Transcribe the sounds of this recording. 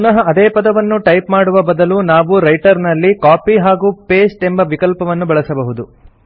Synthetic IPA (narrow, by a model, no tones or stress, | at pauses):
punɐɦɐɐd̪eːpɐd̪ɐʋɐnːuʈɐjpmaːɽuʋɐbɐd̪ɐlunaːʋuɾɐjʈɐɾnɐlːikaːpiɦaːɡuːpeːsʈe̞mbɐʋikɐlpɐʋɐnːubɐɭɐsɐbɐɦud̪u